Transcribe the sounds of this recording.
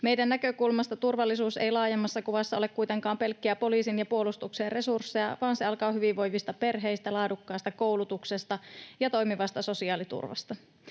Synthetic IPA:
me̞jdænːækø̞kulmɑst̪ɑt̪urʋɑlːisuːsejlɑːjemːɑsːɑkuʋɑsːɑle̞kkujt̪e̞ŋkɑːmpe̞lkːiæpo̞liːsinjɑpuo̞lust̪ukseːre̞sursːejɑʋɑːnseɑlkɑːɦyʋiʋʋo̞jʋist̪ɑpe̞rɦe̞jst̪ælɑːdukːɑːst̪ɑko̞wlut̪uksest̪ɑjɑt̪o̞jmiʋɑst̪ɑso̞siɑːlit̪ṵrʋɑ̰st̪ɑ

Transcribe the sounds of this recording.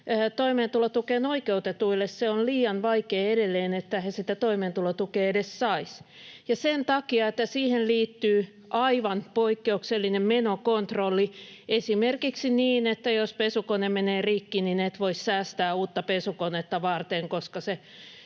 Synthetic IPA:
t̪oimeːnt̪ulot̪ukeːnoikeut̪et̪uilːesseonliːɑnʋɑikeːedelːeːnet̪ːæhesit̪æt̪oimeːnt̪ulot̪ukeːedessɑis | jɑsent̪ɑkiɑet̪ːæsiːhenliːt̪ːyː | ʔɑiʋɑnpoikːeukselːinemmenokont̪rolːiesimerkiksiniːnet̪ːæjospesukonemeneːrikːininet̪ʋoissæːst̪æːuːt̪ːɑpesukonet̪ːɑʋɑrt̪eŋkoskɑse

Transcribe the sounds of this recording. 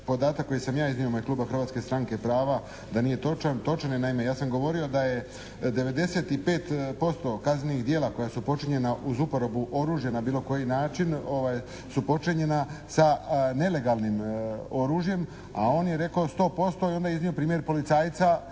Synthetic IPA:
po̞d̪aːt̪akːo̞jsamjaːizniomojekluːbaxr̩ɾʋaːt̪ske̞st̪ɾaŋke̞pɾaːʋa | d̪anije̞t̪ot͡ʃant̪o̞t͡ʃanenaimejaːsamɡo̞ʋo̞ɾio̞d̪aje̞ | d̪e̞ʋe̞d̪e̞se̞ːt̪ipe̞ːt̪po̞st̪o̞kaznnixd̪jeːlˠako̞jasupo̞t͡ʃiɲe̞naʔuzupoɾo̞buʔo̞ɾuːʒjenabiːlo̞ko̞jinaːt͡ʃino̞ʋaj | supo̞t͡ʃiɲe̞nasane̞le̞ɡalˠnimo̞ɾuːʒjem | a̰o̞ːnje̞ɾe̞kaost̪o̞ːpo̞st̪o̞io̞nd̪ajiznijo̞pɾiːmje̞ɾpo̞lit̪saːjt̪sa

